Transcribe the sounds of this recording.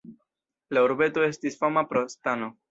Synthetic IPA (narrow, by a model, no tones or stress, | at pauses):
lauɾbe̞to̞e̞stisfamapɾostano̞